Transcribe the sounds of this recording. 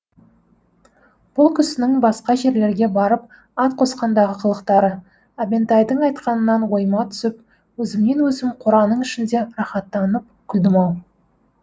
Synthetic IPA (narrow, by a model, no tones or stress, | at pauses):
b̥ʊlˠkʲʰʏsɪnɪŋbɑsqɑʒe̞ɾle̞ɾɡʲe̞bɑɾəp̚ | ɑt̪qʰo̞sqɑnd̪ɑʁəqʰəlˠəqt̪ɑɾə | abe̞nt̪ɑjd̪əɴɑjt̪qɑnənːɑnwo̞jmɑt̪ʰʏ̥sɪp | wɵzɪmne̞nwɵzɪmqʰʊɾɑnəɴɪʃɪnd̪e̞ɾɑχɑt̪ːɑnəp̚kʲʰʏld̪ɪmɑw